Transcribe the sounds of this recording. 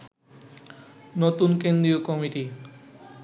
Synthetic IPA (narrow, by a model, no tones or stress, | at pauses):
not̪unkend̪ɾiokɔmiʈi